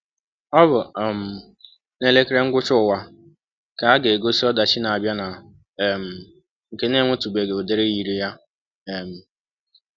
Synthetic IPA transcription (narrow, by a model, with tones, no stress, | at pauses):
ɔ˦bʊ˨m̩˨ | ne˦le˦kɪ˦ɾe˦ŋ̩˦ɡʷʊ˦t͡ʃʊ˦ʊ˨wa˦ | ka˨a˦ɡe˨ɡo˦si˦ɔ˦da˨t͡ʃi˦na˨a˨bja˦na˨ | m̩˨ | ŋ̩˨ke˦ne˦˨ŋʷo˦tu˨be˨ɡe˨o˨de˦ɾe˦ji˨ɾi˦ja˦ | e˨m̩˨